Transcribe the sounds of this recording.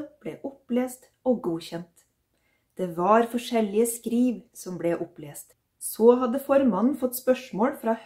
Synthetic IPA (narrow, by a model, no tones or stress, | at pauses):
b̥leːʔʊpleːst̪ | oːɡuːçɛnt̪ | d̪̥eːʋɑːɾfɔʂɛlɪəskɾiːʋsɔmbɽeːʔʊpleːst̪ | sɔːɦɑd̪əfɔɾmɑnn̩fɔt̪ːspœʂmoːɽfɾɑːh